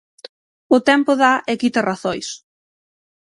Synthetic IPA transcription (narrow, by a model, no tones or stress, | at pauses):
ʊt̪ɛmpʊðaʔekit̪ɐraθojs